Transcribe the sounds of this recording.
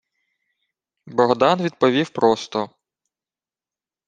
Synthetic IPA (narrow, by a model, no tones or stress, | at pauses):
bɔɦd̪ɑnʋʲid̪̚pɔʋʲiwpɾɔst̪ɔ